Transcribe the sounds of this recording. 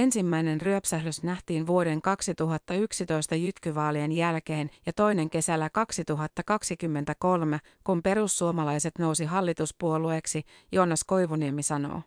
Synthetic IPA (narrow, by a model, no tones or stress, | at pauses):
e̞nsimːæjnenryøpsæhløsnæht̪iːnʋuode̞ŋkɑksit̪uɦɑt̪ːɑyksit̪o̞ist̪ɑjyt̪kyʋɑːlienjælkeːnjɑt̪o̞jne̞ŋke̞sælːækɑksit̪uɦɑt̪ːɑkɑksikymːent̪æko̞lme | kumpe̞ɾusːuomɑlɑjse̞t̪no̞wsiɦɑlːit̪uspuolueːksi | joːnɑsko̞jʋuniemisɑno̰ː